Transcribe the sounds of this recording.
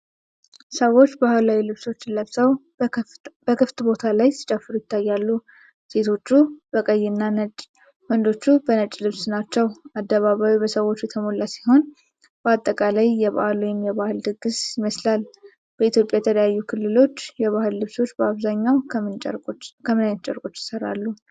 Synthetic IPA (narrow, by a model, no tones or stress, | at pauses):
səwːo̞t͡ʃːbahɨlawjulɨβso̞t͡ʃːɪnləβsəw | b̥əkʰɨft̪bo̞t̪ʰalajsɨ̥t͡ʃʼafːɨɾujɪt̪ːajːalːu | se̞t̪ʰo̞t͡ʃːubəkʼəjːɪnːanət͡ʃʼ | wənd̪o̞t͡ʃːubənət͡ʃʼlɨβsnat͡ʃːɛwad̪ːəβaβawibəsəwo̞t͡ʃːjɛt̪ʰəmolːasi̥ho̞n | b̥əat̪ʼːəkʼalajːɛβa̰lujɪmjɛβahɨld̪ɨɡɨsjɪməslal | b̥əit̪ʰjo̞pʼjajɛt̪ʰələjajːukʰɨlːɨlo̞t͡ʃːjɛβahɨlːɨβso̞t͡ʃːbəaβzaɲːawt͡ʃʼkʰəmɨnajt̪t͡ʃʼɛɾkʼo̞t͡ʃːjɪ̥səɾa̰lːu